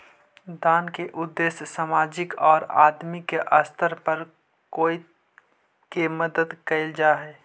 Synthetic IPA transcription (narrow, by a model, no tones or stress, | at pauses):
d̪aːnkeʔʊd̪ːeːssaːmaːd͡ʒɪkɔːɾa̰ːd̪mikeʔəst̪əɾpɐɾ | koːi | kemɐd̪əd̪kɐɪld͡ʒaːɦɛː